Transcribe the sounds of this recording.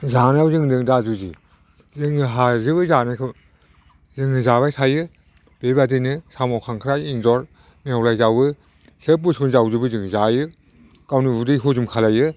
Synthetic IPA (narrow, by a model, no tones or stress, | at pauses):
zanawzɯŋdɯŋdazuzi | zɯŋɯɦazɯβɯzanɯkʰɯ | zɯŋɯzaβajsʰajɯ | b̥ebadinɯsamawkʰaŋkʰɾajinzɔɾ | miawlajzawɯ | sepusunzawzɯbɯzɯŋzajɯ | kawnɯbudɯjɦuzumkʰalajɯ